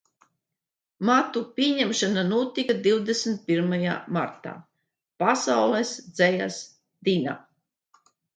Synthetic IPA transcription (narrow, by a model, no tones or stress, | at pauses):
mat̪upʲiɛɲɛmʃananuɔt̪ikad̪iwd̪esmt̪̚piɾmaja̰ːma̰ɾt̪a̰ː | pasawlˠɛsd̪zɛja̰s | d̪ina̰